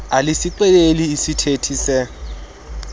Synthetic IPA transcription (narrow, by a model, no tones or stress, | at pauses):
alɪsɪǃɛleliːsitʰetʰiːsɛ